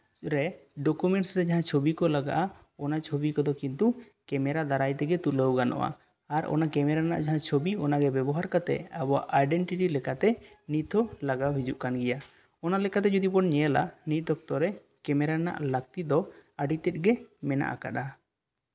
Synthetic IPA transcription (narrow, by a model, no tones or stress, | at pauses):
ɾɛɖɔkumɛɳʈsɾɛd͡ʒaɦãt͡ʃʰobikɔlaɡa̰ʔa | ɔnat͡ʃʰobikɔd̪ɔkint̪u | kɛmɛɾad̪aɾajt̪ɛɡɛt̪uləwɡanɔ̰ʔa̰ | aɾɔ̰nakɛmɛɾana̰ʔd͡ʒaɦãt͡ʃʰobiɔnaɡɛbɛbɔɦaɾkat̪ɛ̰abɔa̰ʔajɖɛɳʈiʈilɛkat̪ɛ | nit̪ʰɔlaɡawɦid͡ʒuʔkanɡɛja | ɔnalɛkat̪̬ɛd͡ʒɔd̪ibɔnɲɛɛla̰nit̪̚d̪ɔk̚t̪ɔɾɛ | kɛmɛɾana̰ʔlək̚t̪id̪ɔaɖit̪ɛt̪̚ˀɡɛmɛna̰ʔa̰ka̰ɗa